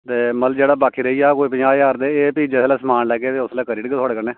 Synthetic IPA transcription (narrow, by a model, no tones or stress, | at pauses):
t̪eːməld͡ʒeːɽaːbaːkʰiːɾəiːjaːkoːipəaːaːɾd̪eːeːpiːd͡ʒɛːslɛːsəmaːnlɛːɡeːt̪eːʊslɛːkəɾiːɖɪɡeːt̪ʰɔːɽeːkəneː